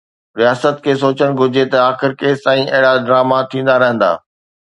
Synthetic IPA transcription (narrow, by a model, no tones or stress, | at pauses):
ɾijaːsət̪̚kʰeːs̬oːt͡ɕəɽ̃ɡʱʊd͡ʑʱet̪ɐaːxɪɾkeːst̪ãːĩʔɐɦɪɽaɖɾaːmat̪ʰĩːn̆d̪aɾɐɦə̃n̆d̪a̰ː